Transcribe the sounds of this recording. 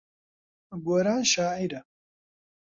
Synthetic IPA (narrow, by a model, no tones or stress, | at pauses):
ɡoːɾaːnʃaːiɾɐ